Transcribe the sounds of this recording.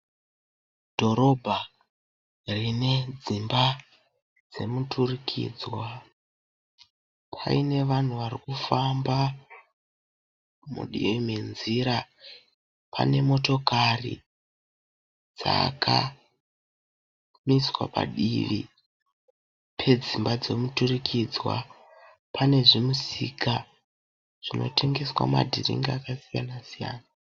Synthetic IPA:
dʱo̞ɾo̞bʱa | rine̞d͡zimba | d͡ze̞muturikʰḭːd͡zwa | pʰa̰ine̞ʋan̤uʋarikufamba | mṵɗḭimenziɾa | pʰa̰ne̞mo̞to̞karḭ | d͡zakʰa | miswa̰pa̰ɗiʋi | pʰe̞d͡zimbad͡zo̞muturikʰid͡zwa̰ | pʰane̞ʐimusikʰa | ʐ̥ino̞̰tʰe̞ŋɡe̞swa̰ma̰dʱirḭŋɡaakasijanasija̰ːna

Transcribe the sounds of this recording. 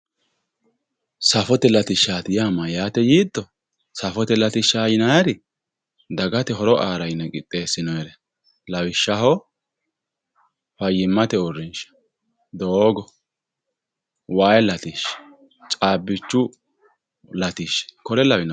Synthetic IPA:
sɐfɔt̪ɛlɐt̪ɪʃːaːt̪ɪjaːmɐjaːt̪ɛjiːd̪ːɔ | sɐfɔt̪ɛlɐt̪ɪʃaːjɪnajɐɾɪ | d̪ɐɡɐt̪ɛɦɔɾɔʔaːɾɐjnɛkʼɪt̪ʼːe̞ːsːɪnɔjɛɾɛ | lɐwɪʃːɐɦɔ | fɐjːɪmːɐt̪ɛʊrɪnʃɐ̥ | d̪oːɡɔ | waːjlɐt̪iʃ | t͡ʃʼaːbːɪt͡ʃːʊ | lɐt̪iʃkɔɾɛlɐwɪnɔ

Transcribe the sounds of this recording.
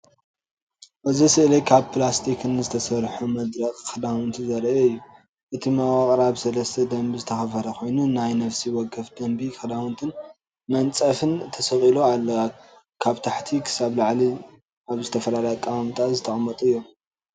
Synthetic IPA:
ʔɨzisɨʔlɐjkʰaβpʰlast̪ʰikʰɨnɨzɨt̪ʰɐsɐɾħumɐd̪ɾɐkʼkʰɐd̪awɨnt̪ʰizɐɾʔɛɨjːu | ʔɨt̪ʰimawʼaqʼɾaβsɐlɐst̪ʰɐd̪ɐmbizɨt̪ʰɐxɐfɐɾɐko̞jnunajnɐfsiwɔɡːɐfd̪ɐmbikʰɐd̪awɨnt̪ʰɨn | mɐnt͡sʼɐfɨnt̪ʰɐsɐχʼiloalːɐa | kʰaβt̪ʰaħt̪ʰikʰɨ̥saβlaʕli | aβzɨt̪ʰɐfɐlalajk̪ʼawamɨt̪ʼazɨt̪ʰɐχʼmːɐt̪ʼɨjːo

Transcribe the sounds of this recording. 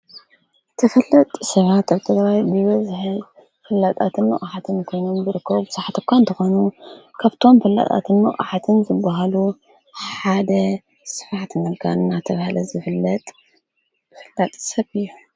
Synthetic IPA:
t̪ʰɐfɐlːɐt̪ʼsɐβat̪aβt̪ʰɐɡ̪βajbɨβɐzħɨ | fɨlːat̪ʼat̪ʰɨnmɐ̰ʔʼħat̪ʰɨnkʰo̞jnombɨɾɨkːɐβbɨsaħt̪ʰɨkʰʷːaɨnt̪ʰɐxo̞nukʰaβt̪ʰo̞mfɐlːa̰t̪ʼa̰t̪ʰɨnmɐʔʼħat̪ʰɨnzɨbːaɦalu | ħad̪ɐ | sɨ̥faħt̪ɨnɐlkʰaɨnːat̪ʰɐβhalɐzɨfɨlːɐt̪ʼ | fɨlːat̪ʼsɐβɨjːu

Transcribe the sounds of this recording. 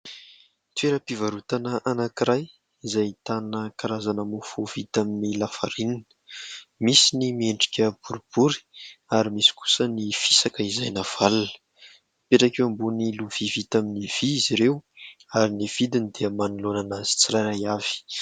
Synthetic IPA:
t̪weɾəpivaɾut̪anəʔanakiɾaj | izajit̪anəkaɾazanəmufovit̪aminilafaɾininə̥misinimieɳɖ͡ʐi̥kʲəb̥uɾib̥uɾi̥aɾimisi̥ku̥sənifi̥sakəizajnav̥alunə̥ | peʈ͡ʂakewambuniluv̥ivit̪aminiv̥iiziɾewaɾiniv̥id̪inid̪eəmanulonanaz̥i̥t͡siɾajɾajav̥i̥

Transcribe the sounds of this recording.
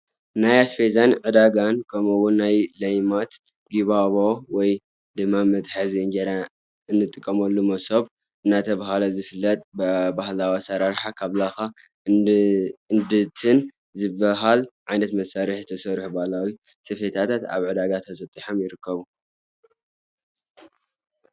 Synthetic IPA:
najaspezanʕɨd̪aɡankʰɐmuwʊnːajlɐjmat̪ | ɡiβaβowɔj | d̪ɨmːamɐt̪ħazind͡ʒeɾa | ɨnːɨt̪ʼːɨkʼːɐmɐlːumɐsoβ | ɨnːat̪ʰɐβaɦalɐzɨfɨlːɐt̪ʼbɐbahlawisɐɾaɾħakʰaβlaxa | ɨnd̪ɨt̪ʰɨn | zɨbːɐɦalʕajnɐt̪mɐsaɾiħzɨt̪ʰɐsɐɾħubahlawi | sɨfet̪ʰat̪ʰat̪a̰βʕɨd̪aɡat̪ʰɐsɐt̪ʼːiħomjɪɾɨkʰːɐβu

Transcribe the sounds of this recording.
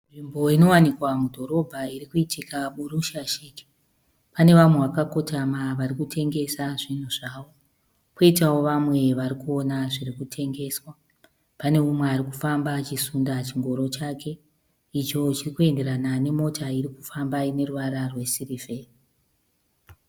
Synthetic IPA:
ʐimbo̞ino̞wanikwamudʱo̞ɾo̞bʱaiɾikuitikaɓuɾuʃaʃiːki̥ | pane̞ʋamwe̞ʋakako̞tamaʋaɾikutʰe̞ŋɡe̞saʐinuʐaːʋo̞ | koitawo̞ʋamwe̞ʋaɾikuo̞naʐiɾikutʰe̞ŋɡe̞swa | pane̞umweaɾiku̥fambat͡ʃisundat͡ʃiŋɡo̞ɾo̞t͡ʃake̞ | it͡ʃo̞t͡ʃirikue̞nde̞ɾanane̞mo̞tʰaiɾikufambaine̞ruʋaɾarwe̞siɾife̞ri

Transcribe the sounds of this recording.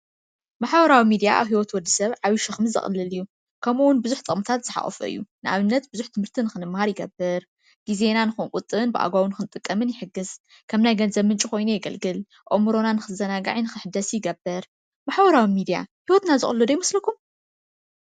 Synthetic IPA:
maħbɐɾawimid̪ija̰ʔa̰βhiwɔt̪wɔd̪ːisɐβʕaβiʃɨxmɨzɨ̰xʼɨ̰lːɨlɨjːu | kʰɐmuwʊnbɨzuħt̪ʼɨχʼmt̪ʰat̪z̥ɨħa̰χʼɔ̰fɨ̰ʔɨ̰jːunɨʔa̰βɨnːɐt̪bɨzuħt̪ʰɨmhɨɾt̪ʰinɨxɨnɨmːhaɾjɪɡɐbɨɾ | ɡ̥izenanɨxunkʼʊt̪ʼːɨnbɨʔa̰ɡawnɨxɨnt̪ʼɨkʼːɐmɨnjɪħɨɡːɨs | kʰɐmnajɡɐnzɐβmɨnt͡ʃʼiko̞jnujɪɡɐlɡɨl | ʔʼomɨɾo̞nanɨxɨzɐnaɡa̰ʕinɨxɨħɨd̪ɐsjɪɡɐbɐɾ | maħbɐɾawimid̪ija̰hiwɔt̪nazɨxʼɨlːɨd̪ɐjimɐslɐkʰum

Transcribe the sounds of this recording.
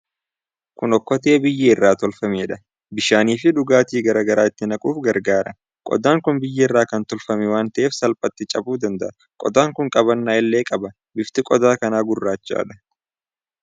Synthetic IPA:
kʊnɔkːɔt̪eːbɪjːɛɪrːaːt̪ɔlfɐmeːᶑɐ | bɪʃaːniːfɪᶑʊɡaːt̪iːɡɐɾɐɡɐɾaːɪt̪ːɪnɐkʼuːfɡɐɾɡaːɾɐ | kʼɔ̰d̪aːŋkʊnbɪjːɛɪrːaːkɐnt̪ɔlfɐmɛwaːnt̪ɐʔeːfsɐlpʼɐt̪ːɪt͡ʃʼɐbuːd̪ɐnd̪ɐʔɐ | kʼɔ̰d̪aːŋkʊŋkʼɐβɐnːaɛlːeːkʼɐbɐ | bɪft̪ɪkʼɔd̪aːkɐnaːɡʊrːaːt͡ʃːa̰ːᶑɐ̥

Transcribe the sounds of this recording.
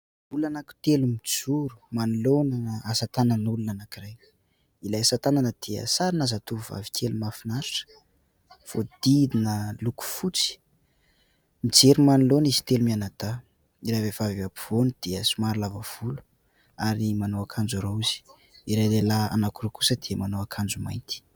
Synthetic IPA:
ulanaku̥t̪elumid͡zuɾu̥manulonaasat̪anənulunanakiraj | ilajasat̪ananəd̪̥iə̰saɾinazat̪uva̰vi̥kʲʰelumafinaɾaʈ͡ʂə̥ | fod̪̥id̪inəluku̥fut͡si̥ | mid͡ʒeɾumanilonizi̥t̪elumianad̪̥a | iɾajvavaviapu̥v̥onid̪̥iəsumaɾilavav̥ulu̥ | aɾimanowakʰand͡ʒuɾouz̥i̥ | iɾajlelaa̰nakuɾokusəd̪̥iəmanowakʰand͡zumajnt̪i̥

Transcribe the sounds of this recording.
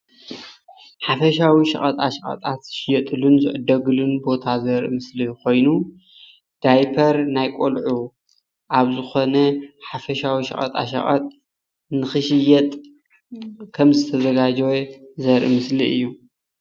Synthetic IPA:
ħafɐʃawiʃɐ̰χʼɐt̪ʼa̰ʃɐχʼɐ̰t̪ʼat̪ʃɪjɛt̪ʼɨlunzɨʔɨd̪ɐɡɨlunbo̞t̪ʰazɐɾɨmɨsliko̞jnu | d̪̥ajpʰɐɾnajkʼolʕu | ʔaβzɨxo̞nɐħafɐʃawiʃɐ̰χʼɐ̰t̪ʼa̰ʃɐ̰χʼɐ̰t̪ʼ | nɨxɨʃɨjɛt̪ʼ | kʰɐmzɨt̪ʰɐzɐɡad͡ʒɛwezɐɾʔɨmɨsliɨjːu

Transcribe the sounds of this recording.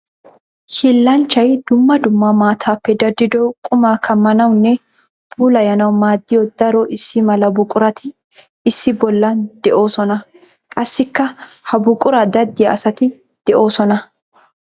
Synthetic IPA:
hɪlːɐnt͡ʃːɐjd̪̥ʊmːɐd̪ʊmːamaːt̪ʰaːpːɛd̪ɐd̪ːɪd̪ɔkʼʊmaːkʰɐmːɐnɐwnːɛ | b̥uːlɐjɐnɐwmaːd̪ːɪjɔd̪ɐɾɔʔɪsːɪmɐlɐbʊkʼʊɾɐt̪ʰɪ | ɪsːɪbɔlːɐd̪̥ɛʔo̞ːsɔnɐ | kʼɐsːɪkːɐhɐbʊkʼʊɾɐd̪ɐd̪ːɪjɐɐsɐt̪ɪ | d̪̥ɛʔo̞ːsɔnɐ

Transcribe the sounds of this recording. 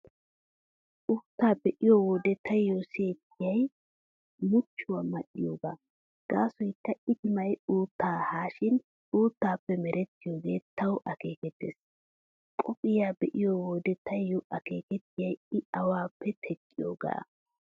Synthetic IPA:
ʔuːt̪ːaːbɛʔɪjowɔːd̪ɛt̪ʰɐjjosɪjeːt̪ːɪjɐj | mʊt͡ʃːʊwamɐʔɪjoːɡa̰ː | ɡ̥aːsɔjkːɐɪd̪ɪmɐjuːt̪ːaːhaːʃɪn | uːt̪ːaːpːɛmɛɾʔɛt̪ːɪjoːɡe̞ːt̪ʰːɐwʔɐke̞ːkɛt̪ːḛːs | kʼɔpʼɪjaːbɛʔɪjowɔːd̪ɛt̪ʰːɐjːɔʔɐke̞ːkɛt̪ːɪjɐjɪɐwaːpːɛt̪ʰɛkʼːɪjo̰ːɡa̰ː

